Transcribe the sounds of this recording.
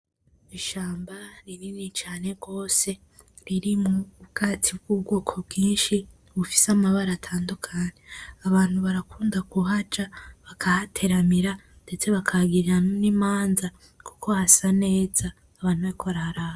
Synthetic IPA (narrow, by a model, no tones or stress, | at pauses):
iʃaːmbaɾiɾinit͡ʃaːne̞ɡo̞ːse̞ | ɾiɾimubɡ̥atʰib̚ɡuːbɡoːkʰo̞bɡiːnʃi | βufi̥samaβaɾatʰaːndukʰaɲeaβaːn̥huβaɾakʰuːndaɡuɦad͡ʒaβakʰahatʰe̞ɾamiɾa | nde̞t͡se̞βakʰaɡiɾiɾannimaːnza | ku̥kʰo̞hasane̞ːzaː | βaːn̥huβaɾikʰoβaɾahaɾaha